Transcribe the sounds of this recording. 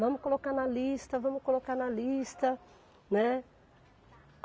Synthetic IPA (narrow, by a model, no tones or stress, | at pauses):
vɐ̃mʊkolokanɐlist̪ɐvɐ̃mʊkolokanɐlist̪ɐ | nɛ